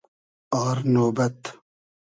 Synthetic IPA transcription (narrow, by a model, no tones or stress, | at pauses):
aːɾnoːbɐt̪